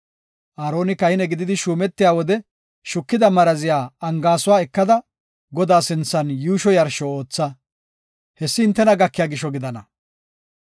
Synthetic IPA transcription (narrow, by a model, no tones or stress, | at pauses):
ʔaːɾo̞ːnɪkɐɪnɛɡɪd̪ɪd̪ɪʃuːmɛt̪ːɪjaːwɔd̪ɛ | ʃʊkːɪd̪ɐmɐɾɐzɪjaːɐŋɡaːsʊwaːɛkːɐd̪ɐ | ɡɔd̪aːsɪnt͡sːɐnjuːʃɔjɐɾʃɔo̞ːt͡sːɐ | hɛsːɪhɪnt̪ːɛnɐɡɐkːɪjaːɡɪʃɔɡɪd̪ɐnɐ